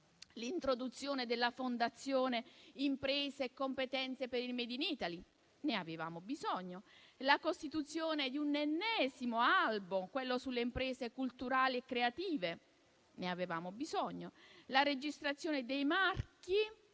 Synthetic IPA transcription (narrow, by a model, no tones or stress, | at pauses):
lint̪ɾod̪ut̪sːjoːned̪elːafond̪at̪sːjoːneimpɾeːzeːkːompet̪ɛnt̪sepeɾilmɛːd̪iniːt̪ali | neaveva̰ːmobizɔɲːolakost̪it̪ut̪sːjoːned̪iunenːɛːzimoalbumkwelːosulːeimpɾɛːzekult̪uɾaːliekːɾeat̪iːve | neaveva̰ːmobizɔɲːolaɾed͡ʒist̪ɾat̪sːjoːned̪ejmarki